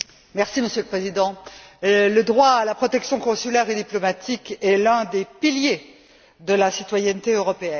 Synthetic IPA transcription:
mɛʁsiməsjøləpχezid̪ɑ̃ | ləd̪ʁwaːlapχɔt̪ɛksjɔ̃kɔ̃sylɛʁed̪iplɔmat̪ʰikɛlɛ̃d̪epilje | d̪əlasit̪wajɛnt̪eøʁɔpeɛn

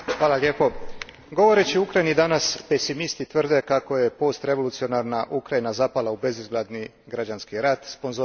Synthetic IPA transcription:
xʋaːlalʲje̞po̞ | ɡo̞ʋo̞ɾe̞t͡ɕiukɾajinid̪anaspesimist̪it̪ʋr̩d̪e̞kako̞je̞po̞ːst̪ɾe̞ʋo̞lut̪sio̞naɾnaʔukɾajinazapalˠaube̞zizɡlad̪ni | ɡɾad͡ʒanskiɾat̪spo̞nzo

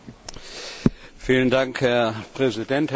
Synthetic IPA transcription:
fiːləndaŋkhɛɐpʁ̥ɛzidɛnthɛ

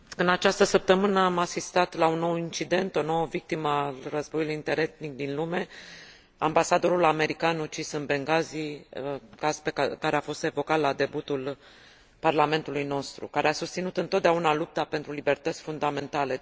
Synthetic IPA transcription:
ɨnat͡ʃast̪əsəp̚t̪əmɨnəamasist̪at̪launːo̞wint͡ʃid̪e̞nt̪o̞no̞wəvik̚t̪iməalrəzbo̞julujint̪eɾet̪nik̚d̪inlume̞ | ambasad̪o̞ɾulame̞ɾikanut͡ʃisɨnbe̞ŋɡazi | kazpekaɾeafo̞st̪e̞vo̞kat̪lad̪e̞but̪ul | parlame̞nt̪ulujno̞st̪ɾṵkaɾeasust̪sinut̪ɨnt̪ot̪d̪aunalup̚t̪apent̪ɾulibe̞rt̪ət̪sʲfund̪ame̞nt̪ale̞

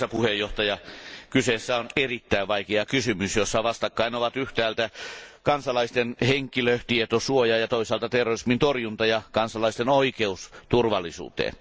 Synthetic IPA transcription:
sɑpuhejjoht̪ɑjɑkysesːæonerit̪ːæiʋʋɑikeɑkysymysjosːɑʋɑst̪ɑkːɑinoʋɑt̪yht̪æːlt̪ækɑnsɑlɑist̪enheŋkːˑiløt̪iet̪osuojɑjɑt̪oisɑːlt̪ɑt̪erːorismint̪orjunt̪ɑjɑkɑnsɑlɑist̪enoikeust̪urʋɑlːˑisṵːt̪ḛːn

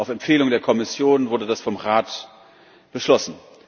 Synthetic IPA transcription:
ʔaʊfɛmpfeːlʊŋdeːɐkʰɔmɪsjoːnvʊɐdədasfɔmʁaːt | b̥əʃlɔsn̩

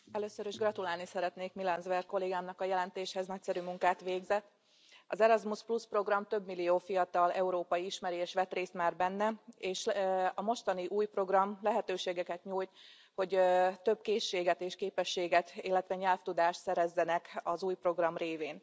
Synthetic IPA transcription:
ɛløːsøɾiʒɡrɒt̪ulaːlnisɛɾɛt̪neːkmilɛnzʋɛrko̞leːɡaːmnɒkɒjɛlɛnt̪eːʃhɛznɒc̚sɛɾymuŋkaːt̪ʋeːɡzɛt̪ː | ɒzɛɾɒzmuspluspro̞ɡrɒmt̪ø̞bːilːijoːfijɒt̪ɒlɛuɾoːpɒjiiʃmɛɾieːʃʋɛt̪reːst̪maːrbɛnːɛeːʃɒmo̞ʃt̪ɒniʔuːjpro̞ɡrɒmlɛɦɛt̪øːʃeːɡɛkɛt̪ɲuːjt̪ | ho̞ɟt̪ø̞bkeːʃːeːɡɛt̪eːʃkeːpɛʃːeːɡɛt̪ilːɛt̪ʋɛɲɛlft̪ud̪aːʃt̪sɛɾɛzːɛnɛkɒzuːjpro̞ɡrɒmreːveːn

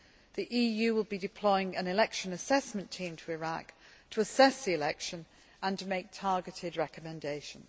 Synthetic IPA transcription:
ðiʔiːjʉːwɪlˠbidɪpʰl̥ɔɪɪ̃ŋə̃nɪlɛkʃə̃nəsɛsmə̃ntʰĩːmtʰəɪɹa̰ktʰəəsɛsðiɪlɛkʃə̃n | ə̃ntʰəmeɪk̚tʰɑɹɡɪtʰɪdɹɛkəmɛ̃ndeɪʃə̃nz

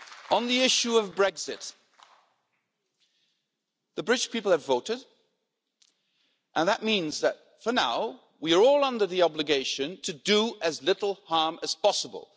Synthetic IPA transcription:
ə̃nðiɪʃuʌvbɹɛɡz̥ɪt̚ | ðɨbɹɪdʃpʰipl̩ˠəvoʊɾɪd | ʔə̃nðəʔ̚mĩnzðɨt̚ | fə˞naʊ | wiə˞ɔlˠʌ̃ndə˞ðiɑblɨɡeɪʃɨ̃ntʰɨdəɨzlɪɾl̩ˠhɑɹmɨz̥pɑsəbə̰lˠ

